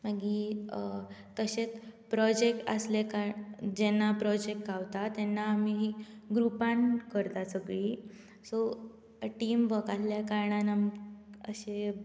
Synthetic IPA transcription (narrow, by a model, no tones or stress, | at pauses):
maɡi | kəɕet͡spɾɔd͡ʑek̚ʈə̰slekaɾd͡ʑɛnːapɾɔd͡ʑek̚ʈɡawt̪at̪ɛnːaːmiɦiɡɾupankəɾt̪asəɡɭi | sɔ | ʈiːmbəɡat̪ljakaɾɳanamə̰ɕe